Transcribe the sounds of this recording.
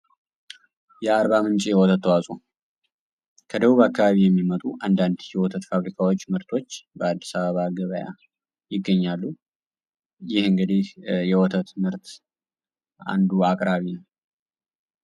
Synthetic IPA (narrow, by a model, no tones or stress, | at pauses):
jɛaɾbamɨnt͡ʃʼijɛwɔt̪ʰət̪ːəwasʼu | kʰəd̪əβuβakʰːaβaβijɛmːimət̪ʼuʔand̪and̪jɛwɔt̪ʰət̪faβɾikʰawo̞t͡ʃːmɨɾt̪ʰo̞t͡ʃːbəad̪ːisaβəβaɡəβəja̰ | jɪɡːəɲːalːu | jɪhɨŋɡəd̪ihjɛwɔt̪ʰət̪mɨɾt̪ | a̰nd̪uakʼɾaβinəw